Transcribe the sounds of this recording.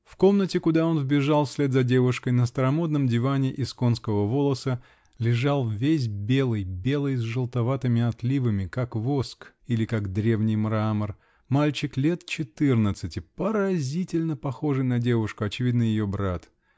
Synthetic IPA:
fko̞mnətʲɪkʊd̪ao̞nvbʲɪʐalˠfsʲlʲed̪zɐdʲe̞vʊʂkəjnəst̪əɾɐmo̞d̪̚nəmdʲɪvanʲɪʔɪsko̞nskəvəvo̞lˠəsə | lʲɪʐalˠvʲes̬ʲbʲe̞lˠɨjbʲe̞lˠɨjzʐɨlˠt̪ɐvat̪ɨmʲɪɐt̪lʲivɨmʲɪkakvo̞sk | ilʲɪkaɡd̪ɾʲe̞vnʲɪjmɾamər | malʲt͡ɕɪklʲe̞t̪t͡ɕɪt̪ɨrnət̪sɨtʲɪpəɾɐzʲitʲɪlʲnəpɐxo̞ʐɨjnɐdʲe̞vʊʂkʊɐt͡ɕɪvʲid̪nɨjɪjo̞bɾat̪

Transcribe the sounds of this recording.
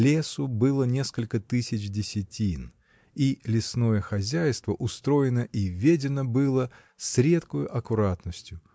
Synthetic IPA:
lʲe̞sʊbɨlˠənʲe̞skəlʲkət̪ɨsʲɪt͡ɕdʲɪsʲɪtʲin | ilʲɪsno̞jəxɐzʲæjst̪vəʔʊst̪ɾo̞jɪnəʔivʲedʲɪnəbɨlˠə | sɾʲe̞t̪kʊjʊʔɐkʊɾat̪nəsʲtʲjʊ

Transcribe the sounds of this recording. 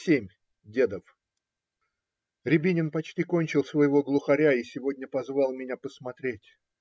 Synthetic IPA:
sʲemʲ | dʲe̞d̪əf | ɾʲɪbʲinʲɪnpɐt͡ɕtʲiko̞nʲt͡ɕɪlˠsvəjɪvo̞ɡlˠʊxɐɾʲaisʲɪvo̞dʲnʲəpɐzvɑlˠmʲɪnʲapəsmɐt̪ɾʲetʲ

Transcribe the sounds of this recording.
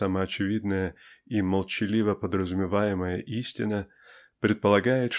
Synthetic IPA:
aməɐt͡ɕɪvʲid̪nəjəiməlˠt͡ɕɪlʲivəpəd̪ɾəzʊmʲɪvajɪməjəʔisʲtʲɪnə | pɾʲɪt̪̚pəlˠɐɡajɪt̪ʂ

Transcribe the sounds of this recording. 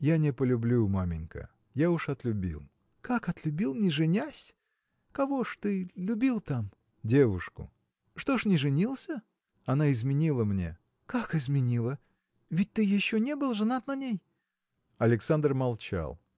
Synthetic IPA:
janʲɪpəlʲʊblʲumamʲɪnʲkə̰ | jaʊʂɐt̪lʲʊbʲḭlˠ | kakɐt̪lʲʊbʲilˠnʲɪʐɨnʲasʲ | kɐvo̞ʂt̪ɨlʲʊbʲilˠt̪am | dʲe̞vʊʂkʊ̰ | ʂt̪o̞ʂnʲɪʐɨnʲilˠsʲə | ɐnaɪzmʲɪnʲilˠəmnʲe̞̰ | kakɪzmʲɪnʲilˠə | vʲɪt̚ʲt̪ɨjɪɕːonʲe̞bɨlˠʐɨnat̪nɐnʲej | ɐlʲɪksand̪rmɐlˠt͡ɕa̰lˠ

